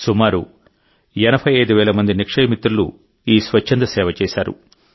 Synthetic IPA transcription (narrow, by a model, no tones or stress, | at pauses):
sumaːɾu | ɛnɐbʰʱɐjɐjd̪uʋɛːɭɐmɐnd̪inikʂɐjmit̪ːɾulṵ | iːsʋɐt͡ʃːɐnd̪ɐsɛːʋɐt͡ʃɛːsaːɾṵ